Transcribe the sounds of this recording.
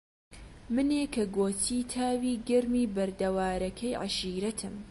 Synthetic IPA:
mɨneːkʰɐɡoːt̪ʰiːt̪ʰaːwiːɡɐɾmiːbɐɾd̪ɐwaːɾɐkʰɐjʕa̰ʃiːɾɐt̪ʰɨm

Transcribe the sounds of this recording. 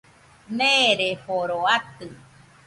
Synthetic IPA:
neɾehoɾoat̪ɨ

